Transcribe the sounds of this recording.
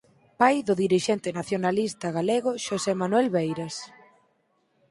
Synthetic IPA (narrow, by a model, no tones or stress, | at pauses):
pajðʊðiɾiʃɛnt̪ɪnaθjonalist̪aɣaleɣʊʃosemanuɛlβejɾas